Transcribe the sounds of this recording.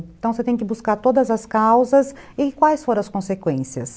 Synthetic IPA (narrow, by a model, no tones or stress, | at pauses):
ẽt̪ɐ̃w̃set̪ẽj̃kɪbuskaɾt̪od̪ɐzɐskawzɐz | ɪkwajsfoɾɐ̃ɐskõsekwẽsiɐs